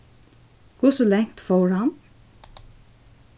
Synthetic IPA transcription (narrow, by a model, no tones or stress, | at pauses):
kʊsɔlɛŋ̥t̪fɔɹan